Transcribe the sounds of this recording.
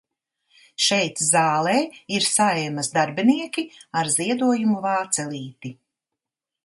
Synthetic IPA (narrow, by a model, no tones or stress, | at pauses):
ʃɛjt̪zaːlˠɛːiɾsaeːmɐsd̪aɾbiniɛkʲiaɾziɛd̪uɔjumuvaːt̪sɛlˠiːt̪i